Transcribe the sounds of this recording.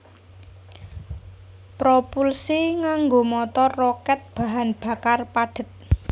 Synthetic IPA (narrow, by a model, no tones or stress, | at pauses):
pɾopulsiŋaŋɡomɔt̪ɔrːɔkɛt̪̚b̥a̤ɦanb̥a̤karpaɖ̥ə̤t̪̚